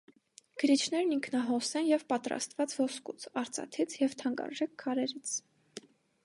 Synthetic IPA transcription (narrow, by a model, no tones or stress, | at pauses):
ɡ̥əɾit͡ʃʰn̪ɛɾniŋkʰnɑɦɔsɛnjɛvpɑt̪ɾɑ̰st̪vɑt͡svɔskut͡sʰɑɾt͡sʰɑ̰t̪ʰit͡sʰjɛvt̪ʰɑŋkɑ̰ɾʒɛkʰːɑɾɛɾit͡sʰ